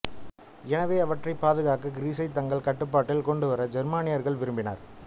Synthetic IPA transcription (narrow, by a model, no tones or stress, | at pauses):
ɛnɐʋeːɐʋɐʈrɐɪpːaːðɯɣaːkɯɡɪɾiːsɐɪt̪ɐŋɡɐɭkɐʈːɯpːaːʈːɪlkɔɳɖɯʋɐɾɐd͡ʒɛɾmaːnɪjɐɾɣɐɭʋɪɾɯmbɪna̰ːɾ